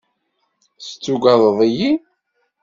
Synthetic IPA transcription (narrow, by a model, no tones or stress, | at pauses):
st͡sːuɡɑðˤəðˤiji